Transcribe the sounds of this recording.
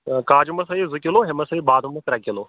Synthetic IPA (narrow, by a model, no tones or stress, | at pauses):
kaːd͡ʒumɐsɐizukʲiloɦemɐsɐibaːd̪ʱumɐt̪ɾɐkiloː